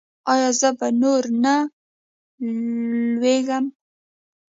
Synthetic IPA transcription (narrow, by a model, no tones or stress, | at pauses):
ɑjɑzəbanoɾna | lweɡəm